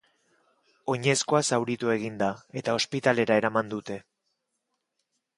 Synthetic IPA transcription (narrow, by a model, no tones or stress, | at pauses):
o̞ɲe̞sko̞asawɾit̪ue̞ɣ̞ind̪ae̞t̪ao̞spit̪ale̞ɾae̞ɾamand̪ut̪e̞